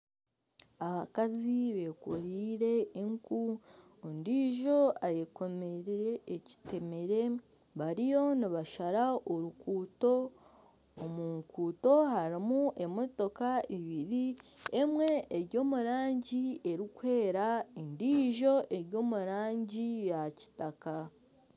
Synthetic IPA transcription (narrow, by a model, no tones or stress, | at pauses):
aβakaziβe̞koɾiːɾe̞ːŋku | ndiːʒo̞ajeko̞meɾeɾeːci̥te̞me̞ɾe̞ | βaɾijo̞niβaʃaɾaoɾukuːto̞ː | muːŋkuːto̞haɾimuʔe̞mo̞to̞kaiβiɾiemwe̞ːɾɟo̞ːmuɾaːɲɟie̞ɾikwe̞ːɾaindiːʒo̞ʔe̞ɾjo̞ːmuɾaːɲɟijaci̥taka